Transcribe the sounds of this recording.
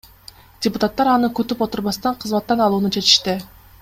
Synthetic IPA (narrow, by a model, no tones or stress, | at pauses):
d̥ʲɪpʊt̪at̪ːɑɾɑnɯkɵt̪ypo̞t̪uɾβɑst̪ɑɴqʰɯzmɑt̪ːɑnɑlˠuːnut͡ʃe̞t̪i̥ʃt̪ɪ